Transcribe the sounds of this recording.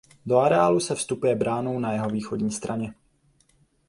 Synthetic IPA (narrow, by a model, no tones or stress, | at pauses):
do̞aɾɛaːlusɛfst̪upujɛbɾaːno̞wnajɛɦo̞viːxo̞dɲiːst̪ɾʔaɲɛ